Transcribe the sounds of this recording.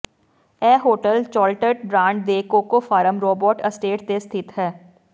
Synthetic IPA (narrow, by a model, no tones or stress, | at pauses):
ɛːɦoːʈəlt͡ʃɔːlʈəʈ̚bɾãːɳɖd̪eːkoːkofaːɾəmɾoːbɔːʈəsʈeːʈd̪est̪ʰɪt̪ɦɛː